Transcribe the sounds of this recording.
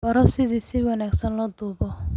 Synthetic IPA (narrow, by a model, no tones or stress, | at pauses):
bɐɾɔsɪðiːsɪwɑnaːɡsɐnlɐd̪uːbɔ